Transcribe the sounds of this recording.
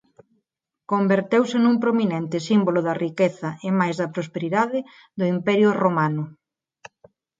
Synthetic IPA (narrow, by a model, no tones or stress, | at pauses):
kombeɾt̪ewsɪnumpɾominɛnt̪ɪsimbolʊðɐrikeθɐɪmajzðɐpɾospeɾiðaðɪ | ðʊimpɛɾjʊromanʊ